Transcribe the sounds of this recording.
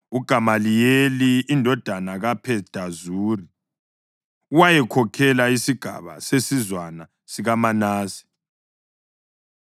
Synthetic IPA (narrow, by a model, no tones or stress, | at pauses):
uɡ̥ʱamalijeliːndʱɔd̥ʱanaɣapʰɛsd̥ʱazuːri | uwajɛkʰɔkʰɛlaisiɡ̥ʱa̰βa̰sesizwana | siɣamanaːsi̥